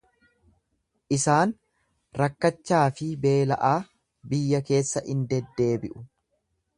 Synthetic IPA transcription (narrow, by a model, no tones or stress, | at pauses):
ʔɪsaːn | ɾɐkːɐt͡ʃːaːfɪbe̞ːlɐʔaː | bɪjːɐke̞ːsːɐʔɪnd̪ɛd̪ːe̞ːbɪʔʊ